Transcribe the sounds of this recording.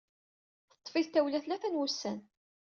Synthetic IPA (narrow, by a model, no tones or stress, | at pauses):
θə̥t̪ˤːfiðt̪æwlæθlæθænwusːæn